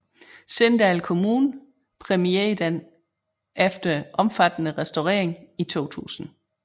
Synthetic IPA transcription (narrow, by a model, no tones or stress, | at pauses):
send̥ælkʰo̝muːn | pʰʁɛmied̥en | ʔefd̥ɐʔɒ̽mfæd̥ənəʁɛsd̥oʁḛːɐeŋit͡sʰo̝̰ːt͡sʰṵːsn̩